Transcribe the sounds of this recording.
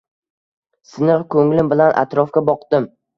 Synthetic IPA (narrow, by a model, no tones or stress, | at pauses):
sɪnɨʁkʰɵŋlɪmbɪlanʔa̰t̪ɾɒfkʲabɒqd̪̥ɪm